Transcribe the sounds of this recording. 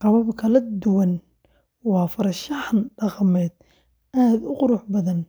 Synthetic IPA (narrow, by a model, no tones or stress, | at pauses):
qɑwɐbkʰɐlɐd̪ʊwɐn | wɑːfɐɾʃɑħnɖɑqmɛːd̪ | ʔaːd̪ʊqʊɾʊħbɐðɐn